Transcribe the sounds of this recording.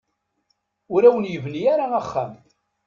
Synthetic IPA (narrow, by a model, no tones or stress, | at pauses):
ʊɾæwənjəvnijaɾaaχːæ̰m